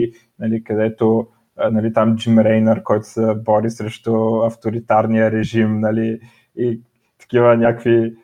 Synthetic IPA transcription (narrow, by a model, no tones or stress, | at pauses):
nɐlikɐd̪ɛt̪o | nɐlit̪amd͡ʒimɾɛjnəɾkɔjt̪ʊ̥sɛbɔɾisɾɛʃt̪oɐft̪oɾit̪aɾnijəɾɛʒimnɐliː | t̪ɐ̥kivənʲakvi